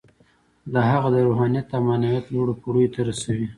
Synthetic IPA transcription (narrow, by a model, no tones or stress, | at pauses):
d̪aɦaɣad̪əɾuɦɑnijat̪amɑnawjat̪loɽapuɽujt̪aɾasawi